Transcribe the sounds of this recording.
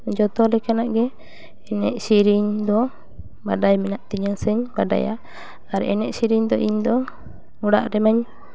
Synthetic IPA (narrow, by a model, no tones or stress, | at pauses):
d͡ʒɔt̪ɔlɛkanaʔɡɛː | nɛ̰ʔsiɾiɲd̪ɔ | ba̰dajminaʔt̪iɲasɛɲbada̰ja̰ | aɾɛ̰nɛʔsiɾiɲd̪ɔʔiɲd̪ɔ | uɽa̰ʔɾɛmaɲ